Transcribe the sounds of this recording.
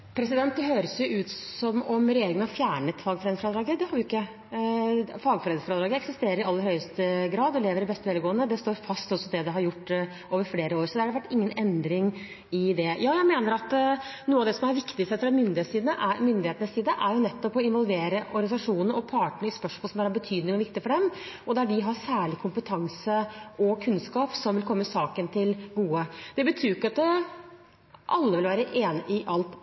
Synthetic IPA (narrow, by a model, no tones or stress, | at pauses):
pʰɾɛsɪd̪ɛnt̪̚d̪ɛɦøːɾəsjʊʉːt̪sɔmɔmɾɛjeːɾɪŋənhɑɾfjæːɳət̪fɑːɡfɾeːd̪fɾɑd̪ɾɑːɡəd̪ɛhɑɾʋɪɪkːə | fɑːɡfɔɾɛːd̪sfɔɾəd̪ɾɑːɡəɛksɪst̪eːɾəɾɪɑlːəɾhœʏəst̪əɡɾɑːd̪ɔleːʋəɾɪbɛst̪əʋɛːlɡoːənəd̪ɛst̪oːɾfɑst̪ɔsːɔd̪ɛd̪ɛɦɑɾjʊʈː | oːʋəɾfleːɾəoːɾsɔd̪ɛhɑɖ̪ɛʋæʈːɪŋːənɛnd̪ɾɪŋ | ɪd̪ɛjɑːjæɪmeːnəɾɑt̪nuːəɑʋd̪ɛsɔmæɾʋɪkt̪ɪsəfɾɑmʏnd̪ɪheːt̪siːd̪nəʔæɾmʏnd̪ɪheːt̪ənəsiːd̪əʔæɾjʊnɛt̪ːɔpɔɪnʋɔlʋeːɾəʔɔɾɡənsɑʂuːnn̩ɔpʰɑːʈəɳɪspœʂolsɔmd̪æhæɾɑbət̪ʰyːd̪nɪŋɔʋɪk̚t̪ɪfɔɖɛmɔd̪æɖɪɦɑsæːɭɪkʰʊmpət̪ʰɑŋsəʔɔkʰʉnskɑːpsɔmʋɪlkʰɔmːsɑːkənt̪ʰɪlɡuːəd̪̥ɛbət̪ʰyːɾɪkːɑt̪̚ | ʔɑlːəʋɪlʋæːɾəʔeːnʔɪʔɑlt̪